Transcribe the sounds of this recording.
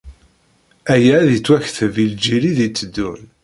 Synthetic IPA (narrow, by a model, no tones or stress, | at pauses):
æjæːðit͡sːwæçθvild͡ʒiɾiðit͡sːəd̪ːun